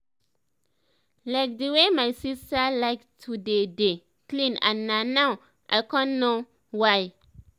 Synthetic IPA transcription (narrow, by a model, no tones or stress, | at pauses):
laɪk̚dəwemajsistalaɪktʰudede | klĩnã̰nːanaw | ʔa̰jkãnno | waj